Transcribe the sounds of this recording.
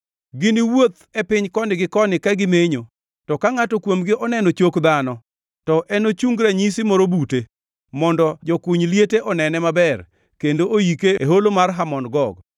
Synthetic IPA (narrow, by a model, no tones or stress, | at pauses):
ɡɪnɪwot̪ɛpɪɲkɔnɪɡɪkɔnɪkaɡɪmeɲo | tɔkaŋatɔkwomɡɪʔɔnɛnɔt͡ʃokd̪anɔ | tɔʔɛnot͡ʃuŋɡɾaɲisɪmɔɾobute | mɔndɔd͡ʒɔkuɲljeteʔɔnɛnɛmabɛr | kendoojikeeɦolomarɦamɔnɡɔɡ